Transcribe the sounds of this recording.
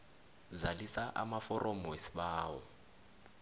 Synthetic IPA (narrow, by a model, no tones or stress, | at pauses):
zalisaʔamafɔɾʔɔmwesi̥ɓaːwɔ